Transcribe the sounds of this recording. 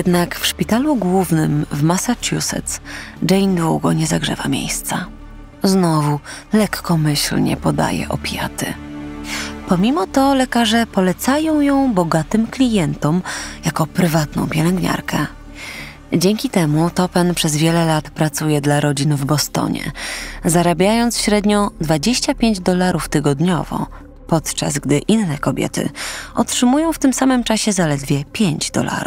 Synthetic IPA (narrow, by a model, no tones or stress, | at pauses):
jɛd̪nakfʂpʲit̪aluɡwuvnɘ̰mvmasat͡ʂjusɛ̰t̪sd͡ʐɛjnd̪wuɡɔ̰ɲɛzaɡʐɛ̰vamʲjḛjst̪sa | znɔvu | lɛkːɔmɘɕlɲɛ̰pɔd̪a̰jɛ̰ʔɔ̰pʲja̰t̪ɘ̰ | pɔmʲimɔt̪ɔlɛkaʐɛpɔlɛt̪sajɔ̃w̃jɔ̃w̃bɔɡat̪ɘmklʲijɛnt̪ɔmjakɔpɾɘvat̪nɔ̰̃w̃pʲjɛlɛŋɡɲa̰ɾkɛ | d͡ʑɛŋkʲit̪ɛmut̪ɔpɛnpʂɛzvʲjɛlɛlat̪pɾat̪sujɛd̪laɾɔd͡ʑinvbɔst̪ɔ̰ɲɛ̰zaɾabʲjajɔnt̪sɕɾɛd̪ɲɔd̪vad͡ʑeɕt͡ɕapʲjeɲd͡ʑd̪ɔlaɾʔuft̪ɘɡɔd̪ɲɔ̰vɔ̰ | pɔt̪t͡ʂa̰zɡd̪ɘʔinːɛkɔbʲjɛ̰t̪ɘ̰ʔɔtʂɘmujɔ̃w̃ft̪ɘmsamɘmt͡ʂaɕɛzalɛd̪vʲjɛpʲjeɲd͡ʑd̪ɔ̰la̰ɾṵf